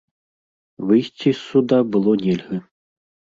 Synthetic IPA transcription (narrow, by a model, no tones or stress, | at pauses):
vɨjsʲt͡sʲisːud̪abɨlˠɔnʲɛlʲɣɐ